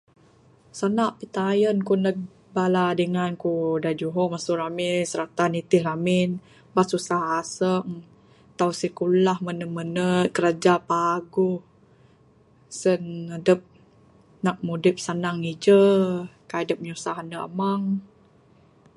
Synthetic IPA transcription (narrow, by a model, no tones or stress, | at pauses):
sanaʔpit̪ajənkunək̚ | baladəŋankudad͡ʒuɦɔmasuɾamɪnsəɾak̚t̪anit̪ɪhɾamɪn | basusahasəŋ | t̪awsikulahmənəmənət̪̚kəɾad͡ʒapaɡuh | sənadəp̚ | nak̚mudɪp̚sanaŋid͡ʒəkadəp̚ɲusaɦanəʔa̰maŋ